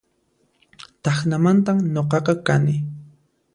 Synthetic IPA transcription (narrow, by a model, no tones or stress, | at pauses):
t̪ɑχnamant̪amɲoqɑqɑkanɪ